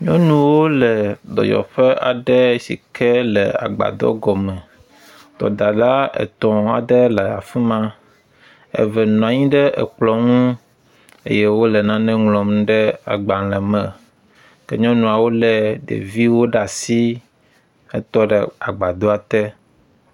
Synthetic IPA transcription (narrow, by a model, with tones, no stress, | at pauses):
ɲɔ̃˦nũ˨wo˦lɛ˨d̪ɔ̰˨jɔ̰˨ɸɛ˦a̰˨ɖɛ˦sḭ˨kʰɛ˦lɛ˨a̰˨ɡ͡ba̰˨d̪ɔ̰˦ɡɔ˨mɛ̃˨ | t̪ɔ̰˨d̪a˨la˦ɛ̰˨t̪ɔ̃˨a˨ɖɛ˦lɛ˨a̰˨fɛ˦mã˦ | ɛ̰˨vɛ˨nɔ̃˨a˨ɲĩ˦ɖɛ˦ʔɛ̰˨k͡plɔ˨ŋũ˦ | ḛ˦jɛ˦wo˦lɛ˨nã˦nɛ̃˦ŋlɔ̃˨mɖɛ˦a̰˨ɡ͡ba˨lɛ˨mɛ̃˨ | kɛ̰˨ɲɔ̃˦nũ˨a˨wo˦lɛ˨ɖḛ˨vi˦wo˦ɖa˨si˦ | ɛ̰˦t̪ɔ˦ɖɛ˨a˨ɡ͡ba˨d̪o˦a˨t̪ɛ˦